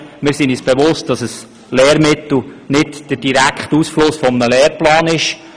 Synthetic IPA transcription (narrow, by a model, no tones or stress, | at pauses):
mɪːɾsiniːsb̥evʊst̚d̥ɑsəs | lɛːɾmɪt̪l̩ˠnɪtd̥əɾd̥iɾækχtusflʊsfɔmənəlɛːɾplɑːnɪʃ